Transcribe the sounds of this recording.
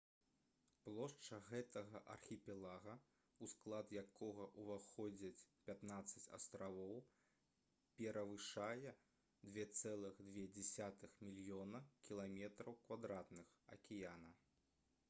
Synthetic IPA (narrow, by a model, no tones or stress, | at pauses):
plˠɔʂt͡ʂɐɣɛt̪ɐɣɐʔɐ̰rxʲipʲɛlˠaɣɐ | usklˠad̪jakʰɔɣɐʔuvaxɔd͡zʲɐt͡sʲpʲat̪nat̪sːɐt͡sʲɐ̰st̪ɾavɔw | pʲɛɾɐvɨʂajɛ | d̪vʲɛt̪sɛlˠɨɣd̪vʲɛd͡zʲɛsʲat̪ɨxmʲilʲjɔnɐkʲilˠamʲɛt̪ɾɐwkvad̪ɾat̪nɨxɐ̰kʲɛjanɐ